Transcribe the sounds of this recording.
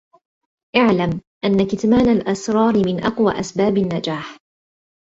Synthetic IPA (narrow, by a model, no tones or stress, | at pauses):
ʔaʕlamʔanːakɪt̪maːnalʔasɾˤɑːɾɪmɪnʔɑqwa̰ːʔasbaːbanːad͡ʒaːħ